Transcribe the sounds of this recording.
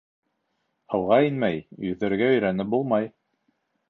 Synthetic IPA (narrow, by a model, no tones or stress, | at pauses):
hɤ̆wʁɑinmæjjɵ̆ðɘ̆ɾɡæɵ̆jɾænɘp̚bulˠmɑj